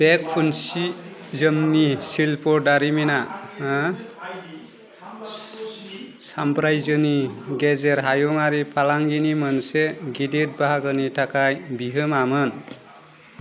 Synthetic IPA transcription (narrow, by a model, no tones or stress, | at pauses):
b̥ekpʰunsizəmnisilpoɖaɾimina | sampɾajzəniɡezeɾɦajomaɾipʰalaŋɡinimʌnseɡidet̚baɦaɡənitʰakajbiɦəmamən